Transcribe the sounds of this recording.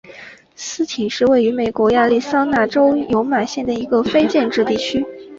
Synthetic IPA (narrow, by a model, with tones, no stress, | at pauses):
sɹ̩˥t̪ʰi˨˩ŋʂɻ̩˥˧we˥˩ɪy˧˥me˨˩ɪkwɔ˧˥ja˥˧li˥˩sɑ˥ŋna˥˩ʈ͡ʂo˥ʊjo˧˥ʊma˨˩ɕjɛ˥˩nd̪ə˩i˧˥ɡə˧fe˥ɪt͡ɕjɛ˥˧nʈ͡ʂɻ̩˥˧t̪i˥˩t͡ɕʰy˥